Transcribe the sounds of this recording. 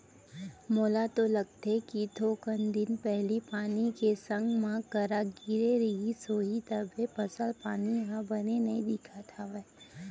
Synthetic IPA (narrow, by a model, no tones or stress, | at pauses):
moːlat̪olɐɡ̚t̪ekit̪oːkənd̪ɪnpɛɦlipaːnikesə̃ŋɡmãkəɾaɡɪɾeɾɐɦisoːɦit̪əbʱepɐsəlpaːniɦãbɐnenɐĩd̪ɪkʰat̪ʰaʋɛɦ